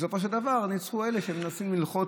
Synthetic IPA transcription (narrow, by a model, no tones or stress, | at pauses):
so̞fo̞ʃ̬eld̪avaʁnit͡sχue̞leʃemenasimːilχo̞t